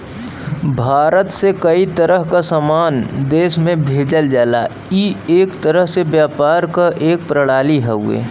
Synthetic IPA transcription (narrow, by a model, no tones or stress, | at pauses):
bʱaːɾət̪sekɐit̪əɾəɦkasaːmaːnd̪eːʃmẽbʱeːd͡ʒəld͡ʒaːla | ieːkt̪əɾəɦsebjaːpaːɾkaʔeːk̚pɾəɽaːliɦɛɦṵḛː